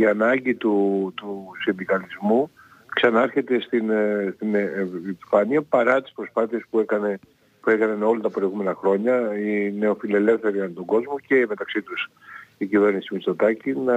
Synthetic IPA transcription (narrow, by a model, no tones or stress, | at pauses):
iɐnɐɲɟit̪ut̪usind̪ikɐlizmu | ksɐnɐɐɾçe̞t̪e̞st̪inst̪ineɱiɱfɐniɐpɐɾɐt̪i̥spɾo̞spɐθie̞spuekɐne | pue̞kɐnɐno̞lɐt̪ɐpɾo̞iɣume̞nɐxɾo̞ɲɐineo̞file̞le̞fθe̞ɾiɐnt̪oɡo̞zmuce̞me̞t̪ɐksit̪us | icive̞ɾnisimist̪ot̪ɐcinɐ